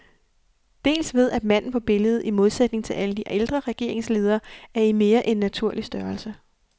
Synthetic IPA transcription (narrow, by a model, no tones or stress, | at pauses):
d̥e̝̰ːlsʋe̝ð̞ˠæd̥mæn̰n̩fɒb̥e̝ləð̞̩ˠimo̝ð̞ˠsed̥ne̝ŋt͡sʰe̝lʔæləd̥iʔeld̥ʁɐʁɛɡ̥e̝ɐ̰e̝ŋsle̝ːð̞ˠɐːæɐime̝ːɐʔe̝nːæt͡sʰuɐ̰lisd̥ɶɐl̩sə